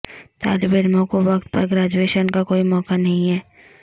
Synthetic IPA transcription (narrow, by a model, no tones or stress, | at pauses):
t̪a̰ːlbeɾmõkoʋɐk̚t̪̚pɐɾɡɾaːd͡ʒweːʃənkakoːimɔːkanɐɦĩɦɛː